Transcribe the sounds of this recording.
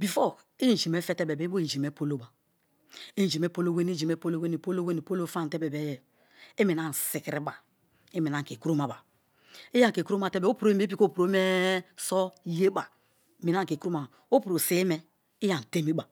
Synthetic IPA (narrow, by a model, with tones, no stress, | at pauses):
bi˨fɔ˦ | e˦n˨d͡ʒi˨me˦fe˦te˦be˨be˨˦i˦bo˦i˦˨d͡ʒi˨me˦po˦lo˦ba˨ | e˦˨d͡ʒi˨me˦po˦lo˦we˦n˦i˦d͡ʒi˨me˦po˦lo˦we˦ni˨po˦lo˦we˦ni˨po˦lo˦fa˦˨n˨te˦be˨be˦jɛ˨ | e˦mi˨na˦n˨si˨ki˦ɾi˦ba˨ | e˦me˨n˨a˦ŋ˨ke˨kɾu˦ma˨ba˨ | i˦ja˦˨ke˨ku˦ɾo˦ma˨te˦bo˦pu˨ɾo˦i˦me˦p̬i˦ko˦˨pu˨ɾo˦me˦so˦je˦ba˨ | mi˨na˦ŋ˨ke˨ku˦ɾo˦ma˨ | o˦pu˨ɾo˨se˦mɛ˦ | i˦ja˨n˨te˦mi˦ba˨